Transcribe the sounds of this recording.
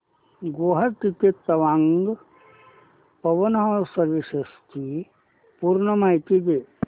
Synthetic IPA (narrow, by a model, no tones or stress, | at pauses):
ɡoːɦəɾt̪it̪et̪ɐʋaŋɡ | pɐʋənɦəsəɾʋisest̪ʰi | puɾnəmajt̪id̪e